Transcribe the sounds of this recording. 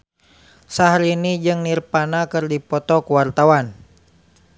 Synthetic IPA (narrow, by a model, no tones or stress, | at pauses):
saɦlinid͡ʒɨŋnirpanakɨrdipɔt̪ɔkuwart̪awan